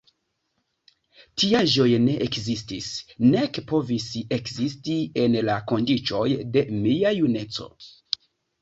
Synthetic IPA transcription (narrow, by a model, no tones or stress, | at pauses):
tiaʒo̞jne̞ʔekzistisne̞kpo̞vise̞kzistie̞nlako̞ndit͡ʃo̞jde̞miajune̞t͡so̞̰